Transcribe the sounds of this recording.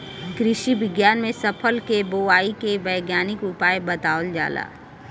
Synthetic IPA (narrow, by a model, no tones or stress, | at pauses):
ɡɾɪʃiʋɪɡjaːnmẽsɐpʰəlkeboaːikeʋɐjɡjaːnɪkʊpaːjbɐt̪aːʋəld͡ʒa̰ːla̰ː